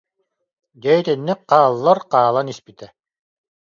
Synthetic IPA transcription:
ɡɛt̪ɛnːik̚qaːlˠːaɾqaːlˠanispit̪ɛ

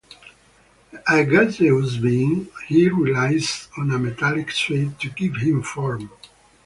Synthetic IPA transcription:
æɡazezbĩŋhiɹilajzɔ̃nəmɛt̪alɪkted̚tʰuɡivhĩmfɔɹm

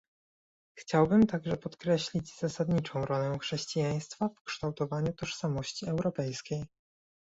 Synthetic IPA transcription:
xt͡ɕawbɘmt̪aɡʐɛpɔt̪kɾɛɕlʲid͡ʑz̥asad̪ɲit͡ʂɔ̃w̃ɾɔlɛxʂɛɕt͡ɕijaj̃st̪fafkʂt̪awt̪ɔvaɲut̪ɔʂsamɔɕt͡ɕiɛwɾɔpɛjskʲej

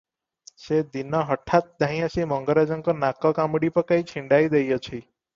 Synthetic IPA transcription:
sed̪inɔɦəʈʰat̪̚d̪ʱaɦĩəsimɔŋɡəɾad͡ʒɔŋkɔnakɔkamɽipəkait͡ʃʰiɳɖajd̪ejɔt͡ʃʰi

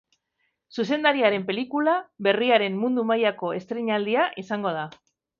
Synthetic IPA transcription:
sus̬e̞nd̪aɾiaɾe̞mpe̞likulaβe̞riaɾe̞mmund̪umajako̞e̞st̪ɾeɲald̪iaʔisaŋɡo̞ð̞a

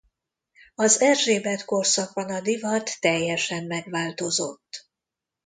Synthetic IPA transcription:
ɒzɛrʒeːbɛt̪ko̞rsɒɡ̚bɒnɒd̪ivɒt̪ːɛjːɛʃɛmːɛɡvaːlt̪o̞zo̞̰t̪ː

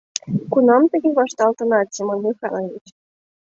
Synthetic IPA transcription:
kunɑmt̪ə̆ɣʲeβɑʃt̪ɑlt̪ɤ̆nɑt̪t͡ɕemonmʲixɑ̰lovʲit͡ɕ

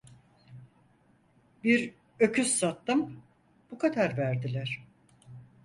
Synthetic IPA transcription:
biɾ | ø̞cʰysːat̪ːɯm | b̥ukʰad̪aɾvæɾd̪ilʲæɾ̥

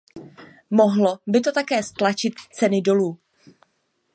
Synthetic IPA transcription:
mo̞ɦlo̞bɪt̪o̞t̪akɛːst̪lat͡ʃɪt̪t͡sɛnɪdo̞luː

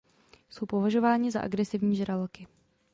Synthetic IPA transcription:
so̞wpovaʒo̞vaːɲɪza̰ʔa̰ɡɾɛsɪvɲiːʒɾalkɪ

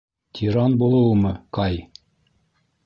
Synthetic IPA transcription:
t̪ʲʰiɾɑnbulˠɤ̆wmɤqɑj

